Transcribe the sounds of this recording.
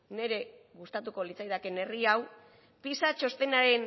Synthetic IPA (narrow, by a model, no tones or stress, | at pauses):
ne̞ɾe̞ɣust̪at̪uko̞lit͡sajðake̞ne̞riaw | pisat͡ʃo̞st̪e̞naɾe̞n